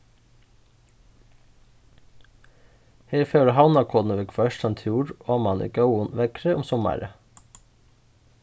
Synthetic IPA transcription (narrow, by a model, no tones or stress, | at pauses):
heːɾfœːɾəhɑʊnɑkʰɔːd̪nəʋɛkʰfɑœʃtɑnt̪ʰjuːɾoːmɑnʔḭːɡɑʊənʋɛkɾəʊmsɔmæ̰ɾə